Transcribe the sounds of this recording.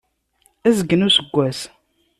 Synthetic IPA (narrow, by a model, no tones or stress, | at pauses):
æzəɡːənusəɡʷːæs